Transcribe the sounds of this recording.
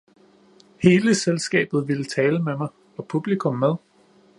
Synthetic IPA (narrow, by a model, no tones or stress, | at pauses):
he̝ːləselsɡ̥ɛ̰ːb̥ð̞̩ˠʋe̝lət͡sʰɛːləmemɑ̈ɪ | ɒ̽pʰub̥likʰɔ̽mːeð̞ˠ